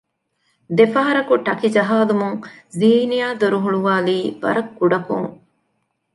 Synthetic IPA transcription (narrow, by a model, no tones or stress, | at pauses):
d̪efɐɦɐɾɐkuʈɐkid͡ʒɐɦaːlumuŋziːnijaːd̪oɾuɦuɭuʋaːliːʋɐ̰ɾɐkːuɖɐkuŋ